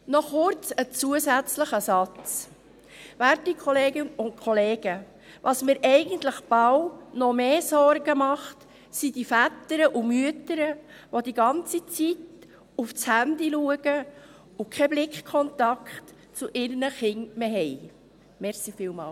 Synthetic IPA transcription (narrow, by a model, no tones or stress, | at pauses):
nɔχʊrt͡sət͡suəzæt͡sləχəsɑt͡s | ʋæɾtikʰχɔleːɡɪnʊnkʰɔleːɡ̥ə | ʋʔɑsmiːɾʔɛɪɡənt̪ləχb̥awnɔmeːsɔrɡəmɑχt | sid̥ifætəɾəʔumyətəɾəʋod̪iɡɑnt͡sit͡sit | uft͡shænd̪iluəɡ̥ə | ʊkʰɛblɪkχkʰɔnt̪ɑkχt | t͡sʊʔɪrnəχɪŋmeɦɛɪ | mɛɾχsifiːlmɑ̰ːl